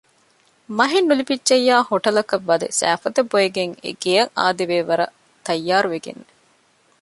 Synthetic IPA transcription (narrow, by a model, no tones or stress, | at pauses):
mɐɦenːulipidt͡ʃejːaːhoʈɐlɐkɐʋːɐd̪ḛsæ̰ːfɐd̪ɐbojeɡeŋḛɡejɐŋʔa̰ːd̪eʋeːʋɐɾɐ̰ | t̪ɐjːaːɾuʋeɡḛnːe